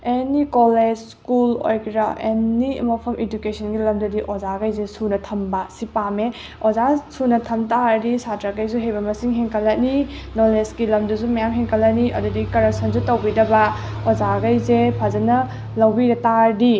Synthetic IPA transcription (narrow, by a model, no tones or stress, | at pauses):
enikoled͡ʒskulo̰jkʰɾɐ̰enːiɐ̰mɐpʰɐmʔedukesʰɐnɡilɐmdɐdiʔozaɡajzesunɐtʰɐmbasipame | ozasunɐtʰɐmtaɾdisatɾakajs̬uɦejbɐmɐsiŋɦeŋkʰɐlːɐt̚ninolesɡilɐmdusumɐjamɦeŋkʰɐlɐt̚niʔɐ̰dudikɐɾɐsʰɐnsutɐwbidɐbɐ | ozaɡajzepʰazɐnɐ | lɐwbiɾɐtaɾdi